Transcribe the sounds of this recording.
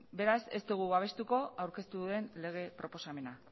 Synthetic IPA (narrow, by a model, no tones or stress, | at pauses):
be̞ɾase̞̰st̪uɣ̞uβaβ̞e̞st̪uko̞awɾke̞st̪uðuðe̞nle̞ɣ̞e̞pɾo̞po̞same̞na